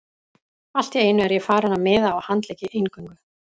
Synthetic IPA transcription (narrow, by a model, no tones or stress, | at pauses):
al̥t̪ɛeːjnʏɛɾjɛfaːɾanamɛːðaːwhant̪lɛːcɪʔejnkʏŋkʏ